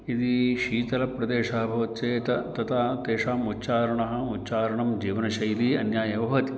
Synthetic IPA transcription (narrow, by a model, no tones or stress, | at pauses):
id̪iʃiːt̪ɐlɐpɾɐd̪eːʂaːbʱɐʋɐt̪t͡ʃeːt̪ɐt̪ɐt̪ʰat̪eːʂaːmut̪ːt͡ʃaːɾɐɳɐɦɐ̆ut̪ːt͡ʃaːɾɐɳɐmd͡ʒiːʋɐnɐʃɐjliːɐ̰njaːjɐʋɐɦɐt̪i̥